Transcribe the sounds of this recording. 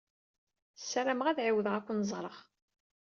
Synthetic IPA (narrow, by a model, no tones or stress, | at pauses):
sːæɾæməʁæðʕiwðəʁækʷːənzˤɾˤəʁ